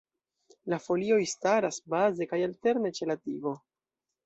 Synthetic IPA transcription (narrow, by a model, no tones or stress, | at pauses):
lafo̞lio̞jstaɾasbaze̞kajalte̞ɾne̞t͡ʃe̞latiɡo̞